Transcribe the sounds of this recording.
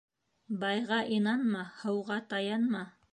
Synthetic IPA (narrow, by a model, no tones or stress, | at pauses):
bɑjʁɑʔinɑnmɑhɤ̆wʁɑt̪ɑjɑnmɑ